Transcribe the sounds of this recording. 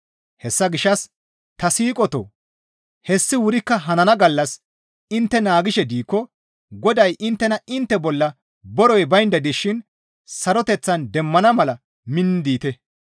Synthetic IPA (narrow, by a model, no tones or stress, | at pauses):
hɛsːɐɡɪʃːɐs | t̪ɐsiːkʼɔt̪ɔ̰ | hɛsːɪwʊɾɪkːɐɦɐnɐnɐɡɐlːɐs | ɪnt̪ːɛnaːɡɪʃɛd̪iːkːɔ | ɡɔd̪ɐjʔɪnt̪ːɛnɐʔɪnt̪ːɛbɔlːɐ | bɔɾɔjbɐjnd̪ɐd̪ɪʃːɪn | sɐɾɔt̪ɛt͡sːɐnd̪ɛmːɐnɐmɐlɐ | mɪnːd̪iːt̪ɛ